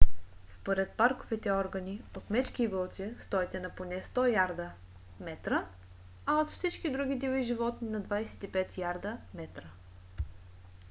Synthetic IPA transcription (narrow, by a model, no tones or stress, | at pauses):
spoɾɛt̪̚paɾkovit̪ɛɔɾɡəniot̪mɛt͡ʃk̟ivɤlˠt̪sist̪ɔɛt̪ɛnɐponɛst̪ɔjaɾd̪ə | mɛt̪ɾə | ɐot̪fsit͡ʃkid̪ɾuɡ̟id̪iviʒivɔt̪ninɐd̪vajsɛ̥t̪ipɛt̪jaɾd̪əmɛt̪ɾə